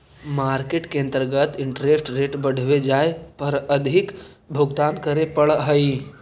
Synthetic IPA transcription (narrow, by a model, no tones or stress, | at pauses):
maːɾkeːʈkeə̃nt̪əɾɡət̪ɪɳʈɾesʈɾeːʈbəɽ̤ʋed͡ʒaːepəɾəd̪ʱɪk | bʱʊɡt̪aːnkəɾepəɭɦəi